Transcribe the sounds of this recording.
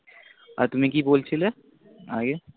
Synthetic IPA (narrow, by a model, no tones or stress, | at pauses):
ɔ̰ːɾt̪ʊmẽkiboːlt͡ʃʰɪle | a̰ːɡe